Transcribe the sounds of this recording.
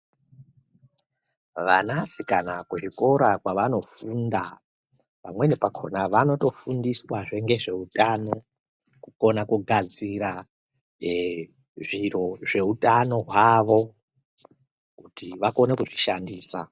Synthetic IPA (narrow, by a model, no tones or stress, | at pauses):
ʋanasikanakuʐiko̞ɾakwaʋano̞funda | pamwe̞ne̞pakʰo̰naʋano̞to̞fundiswaʐe̞ŋɡe̞ʐe̞utano̞ | kuko̞nakuɡʱad͡ziɾa | ʐiro̞ʐe̞utʼano̞ɦwaʋo̞ | kutiʋako̞nekuʐiʃandiːsa